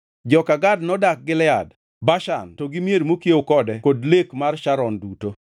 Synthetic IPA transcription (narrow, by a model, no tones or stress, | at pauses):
d͡ʒɔkaɡadnɔdak̚ɡɪlɛad | baʃa̰ntoɡɪmjeɾmokjeokɔdɛkodlekmarʃaɾɔnduto